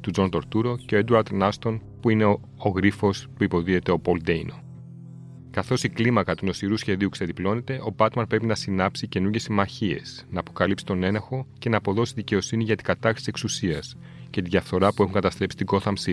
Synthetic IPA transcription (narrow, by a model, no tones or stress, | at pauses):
t̪uzo̞nt̪o̞ɾt̪uɾo̞ce̞oed̪uɾɐt̪nɐst̪o̞n | puine | oɣɾifo̞spuipo̞ðie̞t̪e̞o̞po̞ld̪ejno | kɐθo̞siklimɐkɐt̪uno̞siɾusçe̞ðiukse̞ðiplo̞ne̞t̪e̞ʔo̞bɐt̪mɐnpɾe̞pinɐsinɐpsice̞nuɾʝe̞simɐçie̞̰snɐːpo̞kɐlipsi̥t̪o̞ne̞nɐxo̞ce̞nɐːpo̞ðo̞siðice̞o̞siniʝɐt̪i̥ɡɐt̪ɐxɾi̥sie̞ksusiɐs | ce̞t̪iðʝɐfθo̞ɾɐpue̞xuŋkɐt̪ɐst̪ɾe̞psi̥t̪iɡo̞θɐmsi